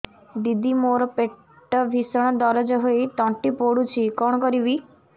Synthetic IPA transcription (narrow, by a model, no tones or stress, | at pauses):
d̪id̪imoɾɔpe | ʈːɔbʱisɔɽ̃ɔd̪ɔɾɔd͡ʒɔɦojt̪ɔɳʈipoɽut͡ʃʰikɔɳɔkɔɾibi